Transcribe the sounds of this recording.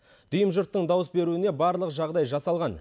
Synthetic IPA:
d̪̥ʊjəmʒʊɾt̪ːəɴd̪ɑwəsbe̞ɾuɪne̞bɑɾlˠəqʒɑʁd̪ɑjʒɑsɑlˠʁɑn

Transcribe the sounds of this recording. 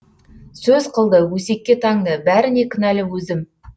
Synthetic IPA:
sɵzqʰəlˠd̪əwɵse̞kʲːe̞t̪ʰɑŋd̪əbæɾɪne̞kʲʰʏnælɪwɵzɪm

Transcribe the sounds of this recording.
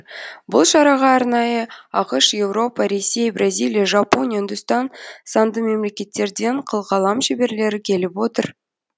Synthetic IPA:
bʊlˠʃɑɾɑʁɑːɾnɑjəɑqəʃje̞vɾo̞pɑɾe̞sʲːe̞jbrʔazʲilˠijaʒɑpo̞nʲijaɪnd̪ʊst̪ɑnsɑnd̪əme̞mle̞kʲe̞t̪ːe̞ɾd̪e̞ɴqʰəlˠʁɑlˠɑmʃebe̞ɾle̞ɾɪkʲʰe̞lɪpwo̞t̪əɾ

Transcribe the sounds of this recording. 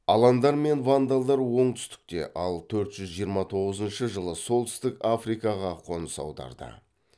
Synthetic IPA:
ɑlˠɑnd̪ɑɾme̞nvand̪ɑlˠd̪ɑɾwo̞ɴt̪ʰʏst̪ɪ̥k̚t̪e̞̰ʔɑlˠt̪ʰɵɾt̪ʒ̥ʏzʒijəɾmɑt̪ʰo̞ʁəzənʃəʒəlˠəso̞lˠt̪ʰʏ̥st̪ɪkafrijkɑʁɑqʰo̞nəsɑ̰wd̪ɑ̰ɾd̪ə̰

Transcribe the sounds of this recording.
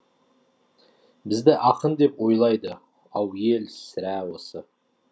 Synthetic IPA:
bɪzd̪ɪʔɑqənd̪e̞pwo̞jlˠɑjd̪ə | ɑwje̞lsɪɾæwo̞sə

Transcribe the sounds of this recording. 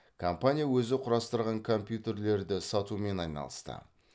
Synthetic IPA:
kʰo̞mpanʲijawɵzɪqʰʊɾɑst̪əɾʁɑŋkʰo̞mpʲjut̪e̞ɾle̞ɾd̪ɪsɑt̪ume̞nɑjnɑ̰lˠəst̪ə̰

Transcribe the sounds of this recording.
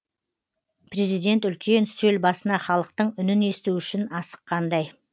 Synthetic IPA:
pre̞zijd̪e̞nt̪ʏlkʲʰe̞nsɵlbɑsənɑχɑlˠəq̚t̪əɴʏnɪne̞st̪uʏʃɪnɑsə̥qʰːɑnd̪ɑj

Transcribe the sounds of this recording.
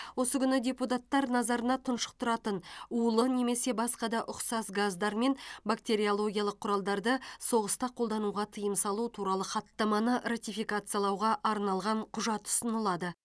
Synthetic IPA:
wo̞səkʲʏnɪdʲe̞put̪̬at̪ːɑɾnɑzɑɾənɑt̪ʰənʃə̥q̚t̪ʰʊɾɑt̪ənuəlˠəne̞me̞se̞bɑsqɑd̪ɑʔʊqsɑsɡazd̪ɑɾme̞nbakt̪ʲe̞ɾʲijolˠo̞ɡʲijalˠəqʰːʊɾɑlˠd̪ɑɾd̪əso̞ʁəst̪ɑqʰolˠd̪ɑnuʁɑt̪ʰəjəmsɑlˠut̪ʰuɾɑlˠəχɑt̪ːɑmɑnərat̪ʲijfijkat̪sɨjalˠɑwʁɑʔɑɾnɑlˠʁɑɴqʰʊʒɑt̪ʊ̥sənəlˠɑd̪ə

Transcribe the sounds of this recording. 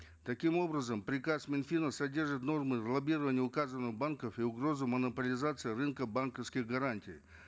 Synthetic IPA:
t̪ɐkʲimo̞bɾəzəmpɾʲɪkasmʲɪnfʲinəsɐdʲe̞rʐɨt̪no̞rmɨzlˠɐbʲiɾəvənʲɪjəʊkazənːɨɣbankəfiʊɡɾo̞zɨmənəpəlʲɪzat̪sɨɪrɨnkəbankəfskʲɪɣɡɐɾanʲtʲɪj

